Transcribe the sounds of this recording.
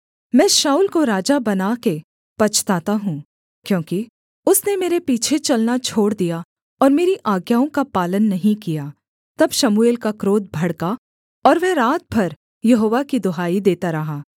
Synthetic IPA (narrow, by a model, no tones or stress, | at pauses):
mɛ̃ːʃaːuːlkoɾaːd͡ʒabɐnake | pɐt͡ʃʰt̪aːt̪aɦũ | kjõːki | ʊsnemeːɾepiːt͡ʃʰet͡ʃɐlnat͡ʃʰoːɽd̪ija | ɔːɾmeːɾiʔaːɡjaːõkapaːlənːɐɦĩkijaː | t̪ɐbʃɐmueːlkakɾoːt̪̚bʱɐɽka | ɔːɾʋɛ̃ɾaːt̪̚bʱɐɾ | jɐɦoːʋakid̪ʊɦaːid̪eːt̪aɾɐɦaː